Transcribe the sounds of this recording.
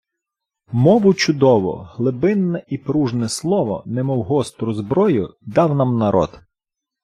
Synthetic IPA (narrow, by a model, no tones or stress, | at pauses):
mɔʋʊt͡ʃʊd̪ɔʋɔ̰ɦlˠɪbɪnːɛʔipɾuʒnɛslˠɔʋɔ̰nɛmɔwɦɔst̪ɾʊzbɾɔjʊd̪ɑwnɑmnɐɾʔɔ̰d̪̥